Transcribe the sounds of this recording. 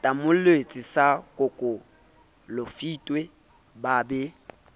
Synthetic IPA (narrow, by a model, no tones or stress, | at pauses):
tʼamʊlwet͡sʼisakʼʊkʼo | lofitʼwe | babɛ